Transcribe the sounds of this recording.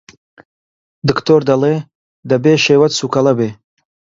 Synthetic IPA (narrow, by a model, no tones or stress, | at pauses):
d̪ɨkt̪ʰord̪ale | d̪abeːʃeːwɐt̪sukʰalabeː